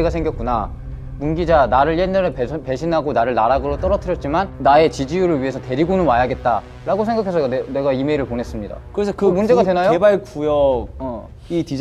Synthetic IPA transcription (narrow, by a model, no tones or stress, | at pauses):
ɡasʰe̞ŋɡjʌt̚k͈una | munɡid͡ʑanaɾɯɭjenːʌɾeppe̞ɕʰinɦaɡonaɾɯɭnaɾaɡɯɾot͈ʌɾʌtʰɯɾjʌt̚t͡ɕ͈imanːae̞t͡ɕid͡ʑijuɾɯɭɥiɦe̞sʰʌte̞ɾiɡonɯnmajaɡe̞t̚t͈a | ɾaɡosʰe̞ŋɡakʰe̞sʰʌne̞ɡaime̞iɾɯɭponɦes͈ɯmɲida̰kɯɾesʰʌkɯmund͡ʑeɡadwenajoebaɭkujʌɡʌ | iti